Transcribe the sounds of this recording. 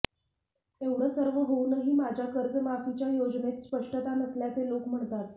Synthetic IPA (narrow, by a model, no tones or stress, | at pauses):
eʋɽəsəɾʋəɦounəɦiːmad͡ʑʱjakəɾd͡zəmafit͡ɕjajod͡znet̪spəʂʈət̪anəsljat͡selokm̤əɳt̪at̪